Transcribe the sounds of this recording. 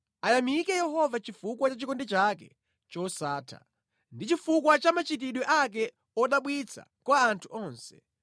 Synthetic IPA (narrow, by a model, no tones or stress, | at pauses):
ajamikɛjɛɦɔvat͡ʃifukwat͡ʃat͡ʃikɔndɛt͡ʃakɛ | t͡ʃɔsaːtʰa̰ | ndit͡ʃifukwat͡ʃamat͡ʃit̬iɗwɛʔak̬ɛ | ɔɗaɓwit͡sʰa̰kwaːntʰuɔːnsɛ̥